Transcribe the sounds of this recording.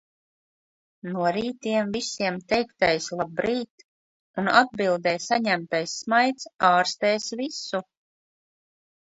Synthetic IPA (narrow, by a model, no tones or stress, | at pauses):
nuɔɾiːt̪iɛmvisiɛmt̪ɛjkt̪ajslˠabɾiːt̪ | unad̪̚bilˠd̪ɛjsaɲæmt̪ajsːmajt̪saːɾst̪ɛːsvisu